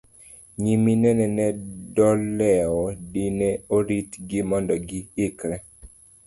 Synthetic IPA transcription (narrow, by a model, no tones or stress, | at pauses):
ɲiminɛnɛnɛdɔlːɛɔdinɛoɾitɡɪmɔndɔɡiɪkɾɛ